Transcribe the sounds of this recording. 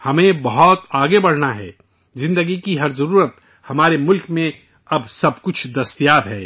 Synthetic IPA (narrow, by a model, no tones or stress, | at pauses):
hɐmẽbɐɦɔt̪aːɡebɐɽ̤naɦɛ̰ː | zɪ̃nd̪əɡikiɦɐɾzɐɾuːɾət̪ | hɐmaːɾemʊlkmẽ | ɐbsɐb̚kʊt͡ʃʰd̪ɐst̪ijaːd̪ɦɛː